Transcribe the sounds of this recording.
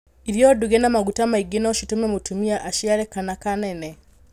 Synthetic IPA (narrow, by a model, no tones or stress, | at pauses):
iɾjoduɡɛnamaɡutamaiɡinɔʃutumɛmutumiaʔaʃiaɾɛkanakanɛnɛ